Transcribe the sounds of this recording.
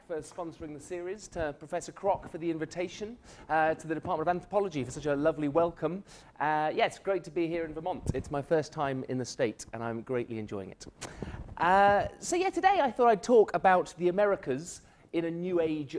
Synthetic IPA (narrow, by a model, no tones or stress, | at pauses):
fə˞spɑ̃nsə˞ɪ̃ŋðɨsɪəɹiz̥tʰəpʰɹ̥əfɛsə˞kʰɹ̥ɑkfə˞ðiɪ̃ɱvɨtʰeɪʃɨ̃ntʰəðɨɾɨpʰɑˑɹ̚ˑmə̃nʌvæ̃nθɹəpʰɑlˠəd͡ʒifə˞sʌt͡ʃəlʌvliwɛlˠkʰə̃m | ʔʌjæɨtsɡ̥ɹeɪtʰəbiɦɪɹɨ̃nvəmɑ̃ntɨtsmaɪfɜ˞stʰãɪ̃mɪ̰̃nðɨsteɪtɨ̰̃ñãɪ̃mɡɹeɪʔliɨ̰̃nd͡ʒɔ̰ɪɪ̰̃ŋɪ̰t | ʔʌsoʊjætʰɨdeɪaɪθɔɾaɪd̚tʰɔkəbaʊt̪̚ðiɨmɛɹɨkʰɨz | ɨ̃ñɨnjʉeɪd͡ʒ